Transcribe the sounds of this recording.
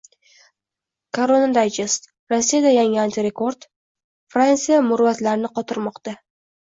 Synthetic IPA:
kʰoɾonad̪ajd͡ʒɪst̪ | ɾosːijad̪ajaŋɪant̪ʰiɾe̞ko̞ɾd̪ | fɾant̪sijamʊɾvat̪laɾɪnɪqʰɒt̪ʰɪɾmɒqt̪a

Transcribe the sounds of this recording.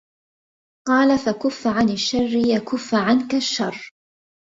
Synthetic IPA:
qɑːlafakʊfːʕanɪʃːɑrːɪjakʊfːʕankaʃːɑrˤː

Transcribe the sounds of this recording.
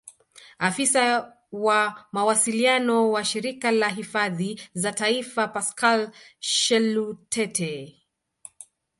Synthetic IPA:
afisa | wamawasilianɔwaʃiɾikalaɦifaðizataifapaskalʃɛlutʰɛtʰɛ

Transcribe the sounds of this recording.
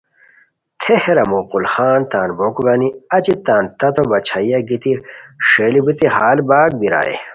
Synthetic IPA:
t̪ʰeheɾɐmoːqulxaːnt̪aːnbokuɡaniɐt͡ɕit̪aːnt̪ɐt̪ʰobɐt͡ɕʰajɐɡit̪iʂeːlibut̪iɦaːlbaːɡ̚biɾa̰ːjḛ

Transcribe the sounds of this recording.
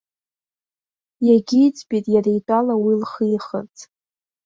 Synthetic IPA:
jaɡʲiːt͡sʼbitʼjaɾejtʼalawilχiχə̰rt͡sʼ

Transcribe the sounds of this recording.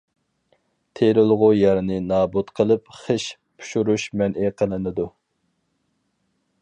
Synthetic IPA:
t̪ʰeɾɪlˠʁʊjɛɾnɪnɑːbut̪qʰəlˠɨp̚χəʃ | pʰu̥ʃuɾuʃmɛnʔɪqʰəlˠɨnɨd̪u

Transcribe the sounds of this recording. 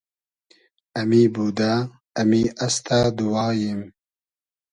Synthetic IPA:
ɐmibud̪aː | miʔɐst̪ʰad̪uwɑːjim

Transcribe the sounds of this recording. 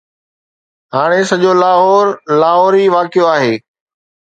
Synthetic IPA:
ɦaːɽ̃esɐʄolaːɦɔːɾlaːɦɔːɾiːʋaːkjoaːɦeː

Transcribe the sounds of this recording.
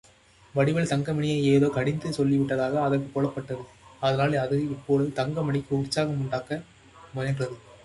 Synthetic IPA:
ʋɐɽɪʋɐɭt̪ɐŋɡɐmɐɳɪjɐɪeːðoːkɐɽɪnd̪ɯsɔlːɪʋɪʈːɐðaːɣɐːðɐrkːɯkːɔɭɐpːɐʈːɐðɯ | ɐðɐnaːlɐðɯɪpːoːlɐðɯt̪ɐŋɡɐmɐɳɪkːɯʊrt͡ʃːaːɣɐmʊɳɖaːkɐ | mʊnɐnrɐðɯ

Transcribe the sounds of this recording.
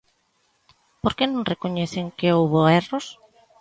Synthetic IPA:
poɾkenõŋrekoɲeθeŋkeowβoɛros

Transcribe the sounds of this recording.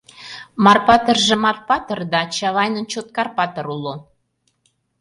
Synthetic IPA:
mɑrpɑt̪ərʒĕmɑrpɑt̪ərd̪ɑt͡ɕɑβɑjnə̆nt͡ɕot̪̚kɑrpɑt̪ɤɾulo

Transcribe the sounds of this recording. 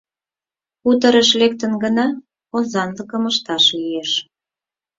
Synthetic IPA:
ut̪ə̆ɾəʃlek̚t̪ənɡənɑ | ozɑnləkəməʃt̪ɑʃlijeʃ

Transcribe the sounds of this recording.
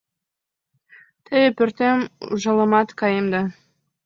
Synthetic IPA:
t̪ʰejepø̆rt̪emuʒɑlɤ̆mɑt̪kɑjemd̪ɑ

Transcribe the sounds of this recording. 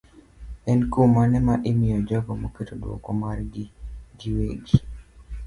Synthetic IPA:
ɛnkumanɛmaʔemɪjɔd͡ʒɔɡɔmoketodwɔ̰kɔmarɡiɡiweɡi

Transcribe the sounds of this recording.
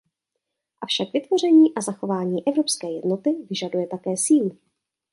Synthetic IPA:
ʔafʃakvɪt̪vo̞r̝ɛɲiːʔazaxo̞vaːɲiːʔɛvɾo̞pskɛːjɛdnot̪ɪvɪʒadujɛt̪akɛːsiːl

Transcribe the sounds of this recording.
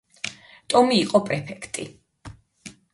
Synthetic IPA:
t̪ʼɔmiːqʼɔpʼɾɛpʰɛkʰt̪ʼi

